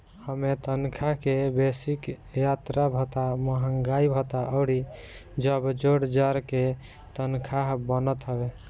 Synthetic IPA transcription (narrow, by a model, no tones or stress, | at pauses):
həmet̪ənkʰakebesik | jat̪ɾabʱət̪aməɦəŋɡaibʱət̪aʔəʊɽid͡ʒəbd͡ʒoɽd͡ʒaɾke | t̪ənkʰaɦbənət̪ɦəbe